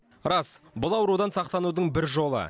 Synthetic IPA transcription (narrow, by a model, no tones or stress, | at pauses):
ɾɑs | bʊlˠɑwɾud̪ɑnsɑq̚t̪ɑnud̪əɴbɪɾʒo̞lˠə̰